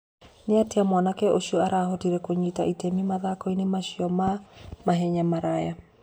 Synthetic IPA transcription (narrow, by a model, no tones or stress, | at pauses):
neateamwanakɛoɕɔaɾahotiɾɛkoɲitaitɛmimaðakɔinemaɕiɔmamaɦɛɲamaɾaja